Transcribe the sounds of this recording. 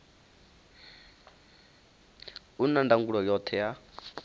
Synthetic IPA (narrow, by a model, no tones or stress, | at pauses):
unandaŋɡuɺɔjɔt̪ʰɛja